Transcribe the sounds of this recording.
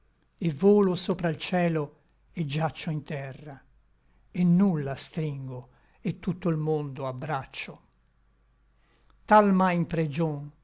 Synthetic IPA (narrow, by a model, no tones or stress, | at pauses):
evoːlosoːpɾailt͡ʃɛːlo | ed͡ʒːat͡ʃːoint̪ɛrːa | enːulːast̪ɾiŋɡo | et̪ːut̪ːoilmond̪oabːɾat͡ʃːo | t̪almajimpɾed͡ʒon